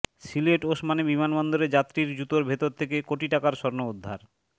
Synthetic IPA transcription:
sileʈoʃmanebimanbɔnd̪oɾed͡ʑat̪ːɾiɾd͡ʑut̪oɾbʱet̪oɾt̪ʰekekoʈiʈakaɾʃɔɾnood̪ʱːaɾ

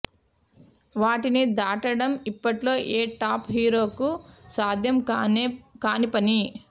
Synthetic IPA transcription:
ʋaːʈinid̪aːʈɐɽɐmipːɐʈlo̞ːʔeːʈaːpɦiːɾo̞ːkusaːd̪ʱjɐm | kaːnipɐni

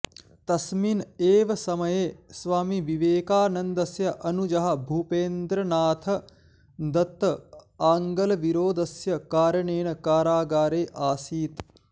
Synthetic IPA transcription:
t̪ɐsmineːʋɐsɐmɐjeːsʋaːmiʋiʋeːkaːnɐnd̪ɐsjɐʔɐnud͡ʒɐɦɐ̆bʱuːpeːnd̪ɾɐnaːt̪ʰɐ | d̪ɐt̪ːɐaːŋɡɐlɐʋiɾoːd̪ɐsjɐkaːɾɐɳeːɳɐkaːɾaːɡaːɾeːʔaːsiːt̪

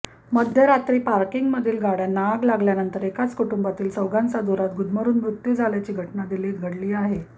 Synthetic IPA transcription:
məd̪ʱjəɾat̪ɾiːpaɾkiŋɡməd̪ʱiːlɡaɽjanaɡlaɡljanənt̪əɾekat͡skuʈumbat̪iːlsəwɡãnt͡sad̪uɾat̪̚ɡud̪ʱməɾuːnmɾut̪ːid͡zʱaljat͡ɕiːɡʱəʈnad̪iliːɡʱəɽliːaɦe

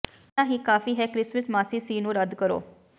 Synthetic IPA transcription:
ãːɦiːkaːfiːɦɛːkɾɪsməsmaːsiːsiːnũːɾəd̪kəɾo̰ː

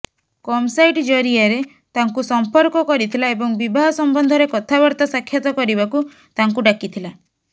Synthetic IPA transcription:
kɔmsajʈd͡ʒɔɾiaɾe | t̪aŋkusɔmpɔɾkɔkɔɾit̪ʰilaebɔŋbibaɦɔsɔmbɔnd̪ʱɔɾekɔt̪ʰabɔɾt̪ɔsakʰːjɔt̪ɔkɔɾibaku | t̪aŋkuɖakit̪ʰila

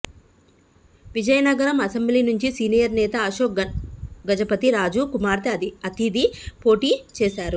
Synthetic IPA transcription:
ʋid͡ʒɐjɐnɐɡɐɾɐmɐsembliːnuɲt͡ʃisiːnijɐɾnɛːt̪ɐɐʃoːk | ɡɐd͡ʒɐpɐt̪iɾaːd͡ʒukumaːɾt̪ɐɐt̪id̪ipo̞ːʈiːt͡ʃɛːʃaːɾu

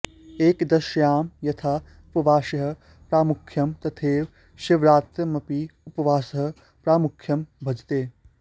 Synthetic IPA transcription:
eːkd̪ɐʃjaːmjɐt̪ʰaː | upɐʋaːʃɐɦɐ̆ | pɾaːmukʰjɐmt̪ɐt̪ʰeːʋ | ʃɪʋɾaːt̪ɐmɐpiupɐʋaːsɐɦɐ̆ | pɾaːmukʰjɐmbʱɐd͡ʒt̪eː

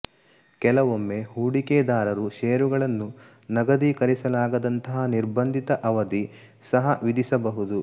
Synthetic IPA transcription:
kɛlɐʋomːe̞huːɽikeːd̪aːɾɐɾuʃeːɾuɡɐɭɐnːu | nɐɡɐd̪ikɐɾisɐlaːɡɐd̪ɐnt̪ɐɦɐniɾbɐnd̪ʱit̪ɐʔɐʋɐd̪i | sɐɦɐʋid̪isɐbɐɦud̪u

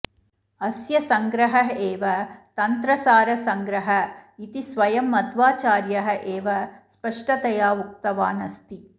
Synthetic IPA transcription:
ɐsjɐsɐŋɡɾɐɦɐɦeːʋɐt̪ɐnt̪ɾɐsaːɾɐsɐŋɡɾɐɦɐit̪isʋɐjɐmːɐt̪ʋaːt͡ʃaːɾjɐɦɐ̆ʔeːʋɐspɐʂʈɐt̪ɐjaːʋuk̚t̪ɐʋaːnɐst̪i

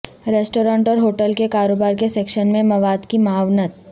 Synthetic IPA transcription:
ɾeːsʈoːɾãːɳʈɔːɾɦoːʈəlkekaːɾoːbaːɾkeseːkʃənmẽmɐʋaːd̪kimaːʋnət̪

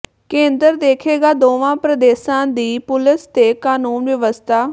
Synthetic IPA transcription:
kẽːnd̪əɾd̪eːkʰeːɡaːd̪oːʋãːpɾəd̪eːsãːd̪iːpʊlɪst̪eːkaːnuːnʋəʋəst̪ʰaː

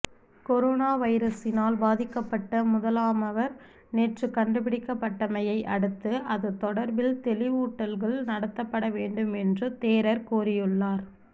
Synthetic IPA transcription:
kɔɾoːnaːʋɐɪɾɐsɪnaːlbaːðɪkːɐpːɐʈːɐmʊðɐlaːmɐʋɐɾ | neːʈrɯkːɐɳɖɯpɪɽɪkːɐpːɐʈːɐmɐjɐɪʔɐ̰ɽɯt̪ːɯʔɐðɯt̪ɔɽɐɾʋɪlt̪ɛlɪʋuːʈːɐlɣɐɭnɐɽɐt̪ːɐpːɐɽɐʋeːɳɖɯmɛndrɯt̪eːɾɐɾkuːrɪjɯɭːaːɾ

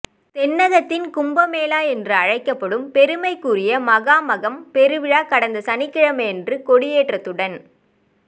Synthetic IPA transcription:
t̪ɛnːɐɣɐt̪ːɪnkʊmbɐmeːlaːɛndrɯɐɻɐɪkːɐpːɐɽɯmpɛɾɯmɐɪkːuːrɪjɐmɐɣaːmɐɣɐmpɛɾɯʋɪɻaːkɐɽɐnd̪ɐsɐnɪkːɪɻɐmɐjɛndrɯkɔɽɪjeːʈrɐt̪ːɯɽɐn

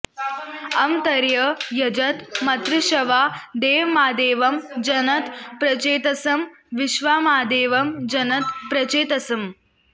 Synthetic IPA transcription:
ɐmt̪ɐɾjɐjɐd͡ʒɐt̪mɐt̪ɾɪʃɐʋaːd̪eːʋmaːd̪eːʋɐmd͡ʒɐnɐt̪pɾɐt͡ʃeːt̪ɐsɐm | ʋiʃʋaːmaːd̪eːʋɐmd͡ʒɐnɐt̪pɾɐt͡ʃeːt̪ɐsɐm

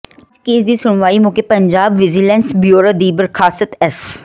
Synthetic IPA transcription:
d͡ʒkeːsd̪iːsʊɳ̃ʋaːimʊ̃kepəɲd͡ʒaːbʋɪzilɛ̃ːnsbjoːɾad̪iːbəɾkʰaːsət̪ɛs

